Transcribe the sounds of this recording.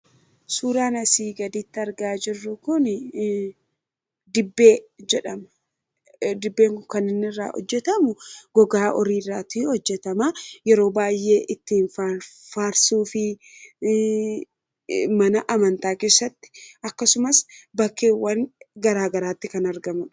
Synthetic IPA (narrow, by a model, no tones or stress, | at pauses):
suːɾaːnɐsiːɡɐd̪iːt̪ːɪɐɾɡaːd͡ʒɪrːʊkʊn | d̪ɪbːeːd͡ʒɛᶑɐmɐ̥ | d̪ɪbːe̞ːŋkʊkɐnɪnːɪrːa̰ːhɔ̰d͡ʒːɛt̪ɐmʊɡ̥ɔɡaːʔɔɾiːrːaːt̪ʊɛhɔd͡ʒːɛt̪ɐmaːjɛɾo̞ːbaːjʔe̞ːʔɪt̪ːiːnfafaːɾsuːfɪ | mɐnɐʔɐmɐnt̪aːke̞ːsːɐt̪ːɪ̥ɐkːɐsʊmɐsbɐkːeːwːɐŋɡɐɾaːɡɐɾaːt̪ːɪkɐnɐɾɡɐmɐn